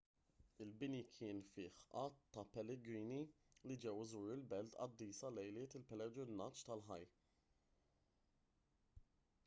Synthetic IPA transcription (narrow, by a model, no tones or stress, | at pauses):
ɪlbɪnikʰɪːnfɪːħɐːt̪ːɐpɛlɛɡɾiːni | lid͡ʒɛwzuːɾɪlbɛlt̪ɐ̰d̪ːiːsɐlɛjlɪːt̪ɪlpɛlɛɡɾɪnːɐt͡ʃt̪ɐlħɐjː